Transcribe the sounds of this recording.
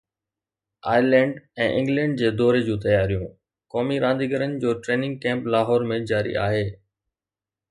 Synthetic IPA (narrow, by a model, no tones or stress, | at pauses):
a̰ːjlɛ̃ːɳɖɛ̃ːʔɪ̰̃ŋɡlɛ̃ːɳɖ̚d͡ʑeːd̪ɔːɾed͡ʑũːt̪ɐjaːɾijũ | kɔːmiɾãːnd̪iɡəɾənɪ̆d͡ʑoːʈɾeːnɪ̃ŋɡ̚kɛ̃ːmplaːɦɔːɾmẽd͡ʑaːɾḭʔa̰ːɦeː